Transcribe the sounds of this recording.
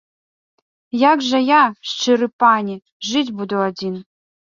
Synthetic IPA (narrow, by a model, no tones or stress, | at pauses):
jakʐɐjaʂt͡ʃɨɾɨpanʲi | ʐɨtʲbud̪oadʲin